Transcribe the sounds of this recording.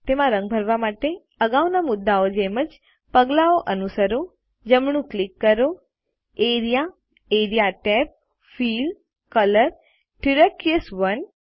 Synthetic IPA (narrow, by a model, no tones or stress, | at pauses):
t̪emãɾə̃ŋɡ̚bʱəɾʋamaʈe | əɡaʋnamʊd̪ːaod͡ʒeməd͡ʒ | pəɡlaoʔənusəɾo | d͡ʒəmɳ̃ũklikːəɾo | eɾija | eɾjaʈɛp̚ | fil | kələɾ | ʈiɾəkiəsʋən